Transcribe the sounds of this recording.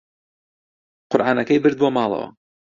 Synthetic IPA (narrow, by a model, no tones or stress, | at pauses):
qʊɾʔaːnɐkɐjbɨɾd̪̚bomɑːlˠɐ̰wɐ̰